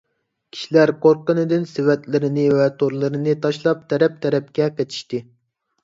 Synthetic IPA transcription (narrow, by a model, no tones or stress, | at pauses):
kʲʰi̥ʃilæɾqʰoɾqənɨd̪ɪnsɪwɛt̪lɪɾɪnɪvɛt̪ʰoɾlˠɨɾɨnɨt̪ʰɑʃlˠɑp̚t̪ʰɛɾɛp̚t̪ʰɛɾɛp̚kʲɛqet̪ʰi̥ʃt̪ɪ